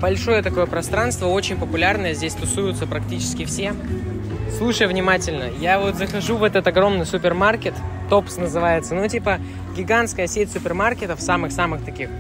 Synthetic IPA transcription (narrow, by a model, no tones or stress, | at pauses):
bɐlʲʂo̞jət̪ɐko̞jəpɾɐst̪ɾanst̪vəo̞t͡ɕɪnʲpəpʊlʲarnəjəzʲdʲesʲt̪ʊsujʊt̪səpɾɐk̚tʲit͡ɕɪ̥skʲɪfsʲe | slˠuʂəjvnʲɪmatʲɪlʲnəjavo̞t̪zəxɐʐuvɛt̪ət̪ɐɡɾo̞mnɨjsʊpʲɪrmarkʲɪt̪ːo̞psnəzɨvajɪt̪sənutʲipə | ɡʲɪɡanskəjəsʲetʲsʊpʲɪrmarkʲɪt̪əfsamɨxsamɨxt̪ɐkʲix